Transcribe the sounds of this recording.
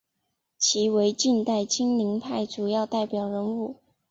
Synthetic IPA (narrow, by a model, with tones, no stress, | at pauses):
t͡ɕʰi˧˥we˧˥ɪt͡ɕi˥˧nt̪a˥˩ɪt͡ɕi˥ŋli˧˥ŋpʰa˥˩ɪʈ͡ʂu˨˩jɑ˥˧ʊt̪a˥˩ɪpjɑ˨˩ʊɻə˧˥nu˥˩